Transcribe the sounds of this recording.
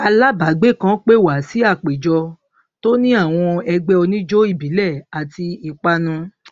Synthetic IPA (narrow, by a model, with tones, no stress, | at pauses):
a˧la˦ba˨˦ɡ͡be˦˨kã˦k͡pe˦˨wa˨˦si˨˦a˦˨k͡pe˨d͡ʒɔ˧ | to˦nĩ˦a˦˨w̃ɔ̃˧ɛ˧ɡ͡bɛ˦ɔ˧nĩ˦d͡ʒo˦i˦˨bi˨˦lɛ˦˨a˨ti˧i˧k͡pa˦nũ˧